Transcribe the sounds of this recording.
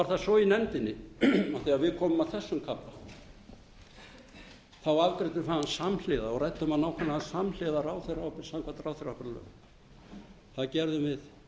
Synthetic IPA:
aɾ̥θasɔinɛnt̪ɪnːɪawθiaðvɪðkʰɔːmʏmaθɛsːʏmkʰapːa | θawavkɾɪt̪ʏɾfaansaml̥ɪːðaɔɣɾajt̪ːʏmaðnawkʰɛnːaasaml̥ɪːðaɾaːwθeɾapɪ̥sawmkʰvat̪ɾawθeɾawpɛɾlœ̰ɣ | θaðcɛɾðʏmvɪð

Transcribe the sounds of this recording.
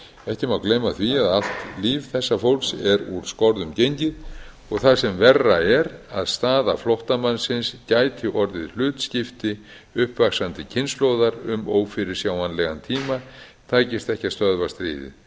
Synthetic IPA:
ɛhcɪmawklejmaθviaðal̥t̪liːvθɛsːafowlksɛɾuɾ̥skɔɾðʏmcejɲcɪð | ɔɣθaðsɛmvɛrːaɛɾaðst̪aːðaflɔwht̪amanːsɪnscaːjt̪ʰɪʔɔɾðɪðl̥ʏːt̪scɪft̪ɪ | ʏhpvaksant̪ɪcʰɪnslowðaɾʏmoːwfɪɾɪɾ̥sjaːwanlɛɣant̪ʰiːmat̪ʰaːjcɪst̪ɛhcast̪œðvast̪ɾḭːðɪ̰ð

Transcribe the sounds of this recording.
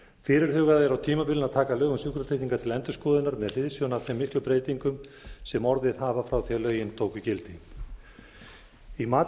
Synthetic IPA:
fɪːɾɪɾ̥hʏːɣaðɛɾawt̪ʰiːmapɪlɪnaðt̪ʰaːkalœːɣʏnsukɾat̪ɪh̪iŋkat̪ʰɪlɛnt̪ʏ̥skɔːðɪnaɾmɛðfɪðsjɔnawθɪmːɪhklʏpɾeːjt̪iŋkʏmsɛmɔɾðɪðhaːvafɾawθialœːɥjɪnt̪ʰoːwkʏcɪlt̪ɪ | imaː

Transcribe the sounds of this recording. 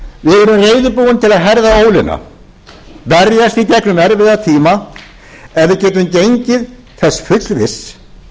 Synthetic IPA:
vɪðɛːɾʏmreːjðʏpuːwɪnt̪ʰɪlaðɦɛɾðaoːwlɪna̰ | vɛɾjast̪icɛknʏmɛɾvɪðat̪ʰiːma | ɛvɪcɛːt̪̬ʏmcejɲcɪð | θɛsːfʏt̪lvɪs

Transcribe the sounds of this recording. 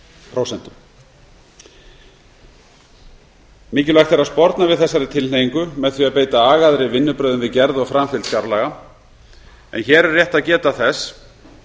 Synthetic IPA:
pʰɾowsɛnt̪ʏm | mɪːcɪlajxt̪ʰɛɾaðspɔɾt̪navɪðθɛsːaɾɪt̪ʰɪleːjiŋkʏmɛðθviaðpeːjt̪aaːɣaðɾɪvɪnːʏpɾœːðʏnvɪðcɛɾðɔɣfɾamfɪlt̪skaɾlaːɣa | ɛ̰nçɛːɾɛrːjɛht̪aðcɛːt̪aθɛs

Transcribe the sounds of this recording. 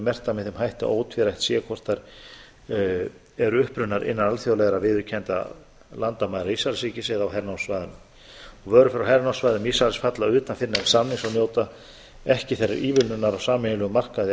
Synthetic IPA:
mɛr̥t̪amɪθɛmɦajht̪a̰ʔoːwt̪ʰvɛɾajht̪sɛkʰɔr̥t̪aɾ | ɛɾʏʏhpɾʏnːaɾʔɪ̰nːanalθjowlɛɣɾavɪðʏcʰɛnt̪a̰ | lant̪amajɾaisalsɾiːcɪsɛðawɦɛɾnawsvajðʏnʏm | ɔɣvœːɾʏfɪɾawɦɛɾnawsvajðʏmisalsfat̪laʏːt̪anfɪnḁsamnɪŋsawnjoːwt̪a | ɛhcɪθerːa̰ɾʔiːvɪlnʏnaɾawsaːmɪnʏlœɣʏmar̥kaðɪ

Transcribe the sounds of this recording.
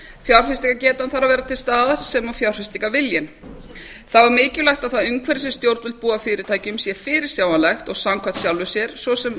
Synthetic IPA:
fjawr̥fɪst̪ikacɛːt̪anθaɾavɛːɾat̪ʰɪlst̪aːðaɾ̥sɛmawfjawr̥fɪst̪ikavɪljɪn | θavaɾmɪːcʏlajxt̪aðθaðʏŋkʰvɛɾɪsɛst̪jowɾt̪vɪlt̪̚puːafɪːɾɪɾt̪ʰaːjcʏmsjɛfɪːɾɪɾ̥sjaːwanlaxt̪ɔɣsamkʰat̪sjawlvʏsjɛɾ̥svɔsɛm

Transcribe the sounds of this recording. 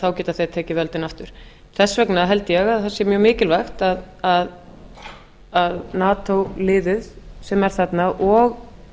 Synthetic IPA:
θawcɛːt̪aθejt̪ʰɛːcɪvœlt̪ɪnaft̪ʏɾ̥ | θɛsːvɛknaɦɛlt̪ɪjɛɣaðθasjɛɾmjœːɣmɪːcɪlvaxt̪að | að | aðnaːt̪owlɪːðʏðsɛmɛɾ̥θat̪naʔɔɣ

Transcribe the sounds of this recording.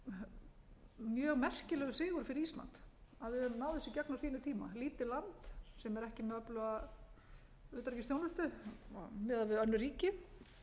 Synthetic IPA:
mjœːɣmɛr̥cɪlɛɣʏsɪːɣʏɾfɪɾɪɾist̪la̰nt̪aðvɪðannaːwðɪsɪcaknawsiːnʏt̪ʰiːma̰liːt̪ɪlant̪sɛmɛɾɛhcɪmɛðœplʏa | ʏht̪ɾcɪst̪joːwnʏst̪ʏ | mɛːðavɪðœnːʏɾiːcɪ

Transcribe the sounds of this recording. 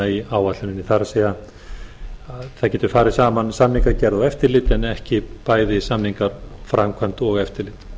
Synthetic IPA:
aiaːwvat̪lɪnɪniθaɾsɛːa | aθaðcɛːt̪ʏɾ̥faːɾɪ̥saːmansamniŋkaɾcɛɾðaɛft̪ɪɾlɪt̪ɛnɛhcɪpaːjðɪsamniŋkaɾ̥fɾamkʰvant̪ɔɣɛft̪ɪɾlɪt̪

